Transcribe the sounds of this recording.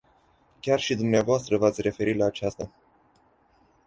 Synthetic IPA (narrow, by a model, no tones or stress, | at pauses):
kʲarʃid̪umneavoast̪ɾəvat̪sʲre̞fe̞ɾitlaːt͡ʃast̪a